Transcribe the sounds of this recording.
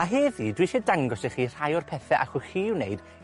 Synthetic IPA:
aɦeːðiːdwiʃɛdaŋɡɔseχiːr̥ajɔrpʰɛθɛʔaχɔxiːwnḛɨd̥

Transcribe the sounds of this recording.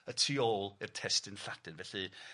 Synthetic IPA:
ətʰriːoːlˠɪrtʰɛstɪnɬad̥ɨnvɛɬi

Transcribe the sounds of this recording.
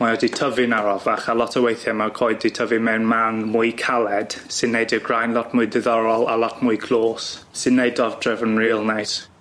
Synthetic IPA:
maɔditʰəvɪnaɾɔvaχalˠɔtʰəwejθjɛmakʰɔːɨditʰəvɨnmɛwnmanmʊɨkʰalˠɛd̥sɨnːejdəɡrajnlˠɔtmʊɨdɪðɔɾɔlˠalˠɔtʰmʊɨɡʰlˠoːs | sɨdnːejdɔvdrɛvənɹiːlˠnejt

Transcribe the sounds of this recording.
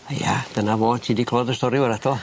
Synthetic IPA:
aja̰d̥ənavoːtʰiːdikʰlˠɔdəstɔɾjɪʊwəɾatʰɔl

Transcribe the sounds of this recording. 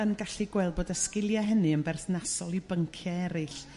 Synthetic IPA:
ənɡaɬiɡwɛlˠbɔdəskɪlˠjaɦənɨənbɛrθnasɔlˠibəŋkʰjaɛɾɨɬ

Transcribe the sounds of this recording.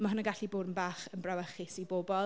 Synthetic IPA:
maɦʊnɔɡaɬiboːdənbaːχənbrawəχɪsiboːbɔlˠ

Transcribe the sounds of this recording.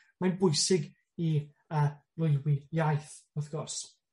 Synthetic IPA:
majnbʊjsɪɡ | i | əː | lʊjwɪjajθ | ɔθɡ̥ɔrs

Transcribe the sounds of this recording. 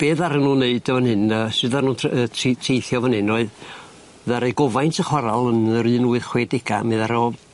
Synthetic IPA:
b̥eːðaɾənuːneɨdəvənhɨnəsɨðarnuːnʰətʰitʰrejθjɔvənhɪnɔɨð | ðaɾejɡɔvajntʰəχwaɾalˠənəɾɨːnuːɨð̥χweːdɪɡameðaɾɔ

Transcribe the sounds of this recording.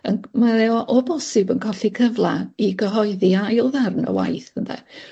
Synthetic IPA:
ənmaɛɔʔɔbɔsɪbənkʰɔɬikʰəvlˠaiɡəɦɔɨðiajlˠðarnə̰wa̰jθənðɛ̰

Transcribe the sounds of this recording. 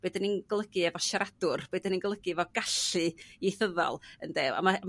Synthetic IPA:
b̥ɨːdəninɡ̥lˠəɡɨɛvɔʃaɾadʊrb̥ɨːdəninɡlˠəɡɨɛvɔɡaɬɨiθəðɔ̰lˠə̰ndeːwa̰mam

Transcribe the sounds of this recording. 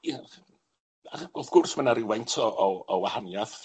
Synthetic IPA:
a | aχɡ̥ɔlˠθɡ̥ʊrsmənaɾiwɛjntʰɔʔɔɔwahanjaθ

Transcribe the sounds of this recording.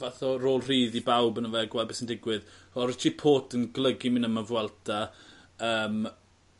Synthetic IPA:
vaθɔroːlˠriːðibawbənəvɛɡwɛlˠdbesəndɪɡwɪðɔɾɪtʰipʰoːtənɡlˠəɡimɪnəməvwɛlˠtʰa | əːm

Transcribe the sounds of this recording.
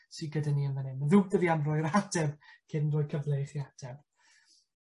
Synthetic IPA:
siɡədaniənvənɪməðuːdəðianrɔɨɾadɛbkʰɪdndrʊːɨkʰəvlˠejχiad̥ʰɛb̥

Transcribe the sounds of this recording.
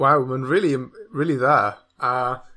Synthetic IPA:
wawmənɹɪːlˠiəmɹɪːlˠiða | a

